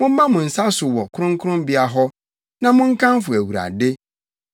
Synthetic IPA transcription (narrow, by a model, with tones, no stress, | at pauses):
mʊ̃˦m̩˦mã˦mʊ̃˨n̩˨sa˦sʊ˨wɔ˨kʰʊ˦ɾʊ̃˦ŋkʰʊ˦ɾʊ̃˦mbi˦a˦ɦɔ˦ | nã˦mʊ̃˦ŋ̩˦kʰã˦mfʊ˨æ˨wu˨ɾa̰˨de˦